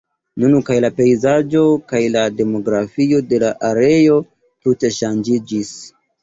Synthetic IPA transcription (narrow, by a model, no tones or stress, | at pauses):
nunukajlape̞jzad͡ʒo̞kajlade̞mo̞ɡɾafio̞de̞laʔaɾe̞jo̞ | tute̞ʃand͡ʒid͡ʒis